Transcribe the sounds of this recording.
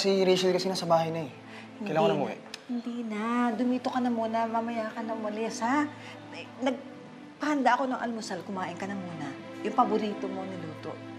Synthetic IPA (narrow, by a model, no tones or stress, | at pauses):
siɾɛjʃɐlkɐsinɐsɐbaːhɐjnɐɛ | kɐjlaŋonɐmoʔɛ̰ʔhɪnd̪iːnɐd̪ʊmiːt̪okɐnɐmuːnɐmɐmɐjaːkɐnɐŋmɐlɛːsɐ | nɐɡ̚ | pɐhɐnd̪aʔɐko̞nɐŋʔɐ̰lmʊsalkʊmaːʔɪnkɐnɐmuːnɐ | jʊŋpɐbʊɾiːt̪o̞mo̞nɪluːt̪o̞̰ʔ